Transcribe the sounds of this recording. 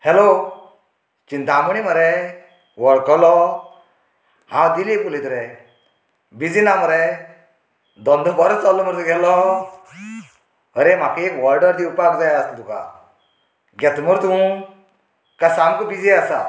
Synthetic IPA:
helo | t͡ʃind̪amuɽ̃iməɾɛ | wɔɾɖ̚kɔlɔ | hãwd̪ilekulid̪ɾɛ | bid͡zinaməɾe | d̪ɔnd̪ʱubɔɾət͡sɔlːɔməɾt̪uɡʱɛlɔ | əɾem̤akekʋɔɾɖəɾd̪iupakd͡zajaəst̪ud̪uka̰ | ɡɛt̪muɾt̪ũ | kasamkubid͡ziasa

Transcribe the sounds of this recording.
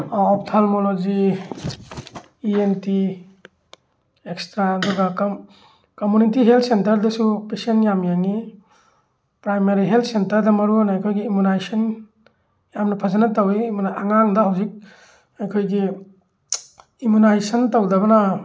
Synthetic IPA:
ɔptʰalmolod͡ʒi | ienti | ekstɾaːduɡak | komunitiɦeltʰsentɐɾdɐsupesienjamjaŋi | pɾajmeɾiɦeltʰsentɐɾdɐmɐɾuanaːjkʰojɡiːmunajsɐn | jamnɐpʰazanɐtawimanaaŋaŋdɐɦawzik̚ | ajkʰojɡi | imunajsɐntawdɐbɐna

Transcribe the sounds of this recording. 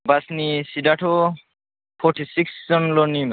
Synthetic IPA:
basnisidaʈʰo | pʰɔɾʈʰisikszɔnlɔnim

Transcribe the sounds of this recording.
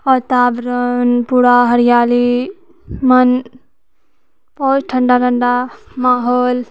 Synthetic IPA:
ɔt̪aːbɾonpuɽaːɦəɾijaːli | mɐn | pɔt͡ʃʈʰɐ̃ɳɖaːʈʰəɳɖamaːɦoːl

